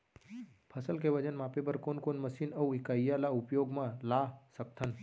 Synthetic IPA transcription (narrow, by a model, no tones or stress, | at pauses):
pʰəsəlkeʋəd͡ʒənmaːpepəɾkoːnkoːnməsiːnɐwɪkaːijalaʊpjoːɡmãlasək̚t̪ʰən